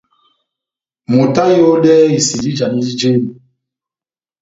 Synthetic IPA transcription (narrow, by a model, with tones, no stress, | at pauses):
mo˨ta˦jo˦ɗɛ˦i˨si˨ɾi˦d͡ʒa˨ni˦d͡ʒi˦d͡ʒe˦ni˨